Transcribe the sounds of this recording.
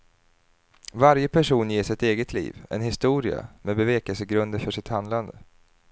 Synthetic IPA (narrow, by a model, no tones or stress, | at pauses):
vaɾjəpʰæʂuːnjeːʂɪt̪eːɡət̪ʰlḭːvɛ̰nɦɪst̪uːɾɪa̰mɛbɛveːkɛlsəɡɾɵnd̪əɾfœʂɪt̪hand̪land̪ə